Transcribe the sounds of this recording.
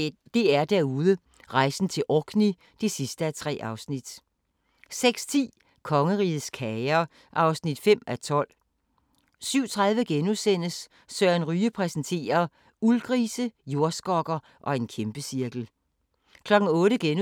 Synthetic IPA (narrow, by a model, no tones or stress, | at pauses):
d̥e̝æɐd̥æɐuðˠə | ʁɑ̈ɪsn̩t͡sʰe̝lʔɒɡ̥ʰni | d̥e̝sisd̥əæt͡sʰʁɛ̰ːʔɑ̈ʊsnid̥ | seɡ̥st͡sʰḭː | kʰɒ̽ŋəʁiːð̩ˠskʰɛɪɐ | ʔɑ̈ʊsnid̥fem̰æt͡sʰɒ̽l̰ | syʊt͡sʰʁɑ̈ðˠʋəɡ̥enusen̰əs | sœɐænʁyːəpʰʁɛsn̩t͡sʰe̝̰ːɐ | ulɡ̥ʁiːsəjo̝ɐsɡ̥ɒ̽ɡ̥ɐ | ʔɒ̽e̝nkʰemb̥əsiɐɡ̥l̩ | kʰlɒ̽ɡ̥n̩ɔ̽ːɾəɡ̥en